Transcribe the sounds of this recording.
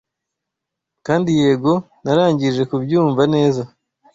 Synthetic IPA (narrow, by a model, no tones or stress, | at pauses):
kaːndije̞ːɡo̞ | naɾaːɲɟiʒe̞kubjuːɱvane̞ːza